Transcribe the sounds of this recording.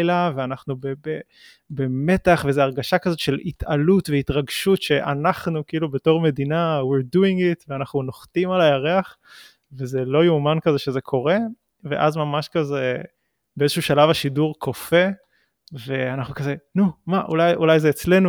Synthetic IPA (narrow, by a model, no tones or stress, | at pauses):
jlaveanaχnubebe | beme̞taχvezeaʁɡaʃakazo̞tʃelit̪alutveitʁaɡʃutʃe̞ʔanaχnukiilubeto̞ʁme̞dinawiʁduiŋɡitveanaχnunoχtimalajaʁeaχ | veze̞lo̞jumankazeʃeze̞kʰo̞ʁe̞ | veʔazmamaʃkaze | beezeʃuːʃalavaʃiduʁkʰofe̞ | ve̞anaχnukazenumaʔṵlajulajzeːt͡sle̞nu